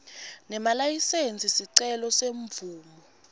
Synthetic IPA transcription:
nɛmalajisent͡sʰʼisiǀɛlɔseɱvuːmɔ

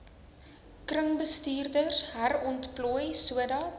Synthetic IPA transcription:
krəŋbəstyːrdərsɦærɔntplɔjsuədɑ

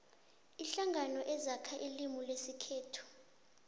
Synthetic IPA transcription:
iɬaŋɡʱanɔʔɛzakʰaʔilimulesikʰeːtʰu̥

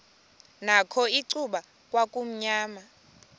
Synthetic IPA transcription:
nakʰɔiǀʰuɓa | kʼwakʼum̩ɲaːma

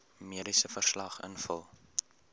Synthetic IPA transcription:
miəɾisəfərslɐχə̰nfəlˠ

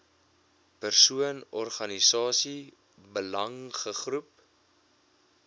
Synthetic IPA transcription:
pərsuənɔrχɐnisɑːsi | bəlɐŋχəχrup̚

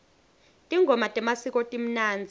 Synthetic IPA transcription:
tʼiŋɡʱɔmatʼɛmasikʼɔtʼim̩naːnd͡zʱi

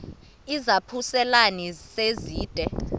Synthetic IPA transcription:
izapʰusɛlaniseziːd̥ʱʼɛ

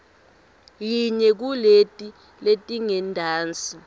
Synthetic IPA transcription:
jiɲɛk̬uletʼi | letʼiŋɛndʱaːnt͡sʼi

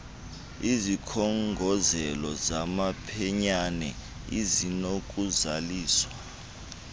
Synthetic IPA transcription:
izikʰɔŋɡʱɔzɛlɔzamapʰɛɲanɛ̰ | izinok̬ʼuzaliːswa

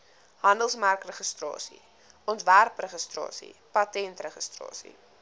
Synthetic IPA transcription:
ɦɐndəlˠsmærkrəχəstrɑ̰ːsḭ | ʔɔntværprəχəstrɑ̰ːsḭpɐtɛntrəχəstrɑ̰ːsḭ

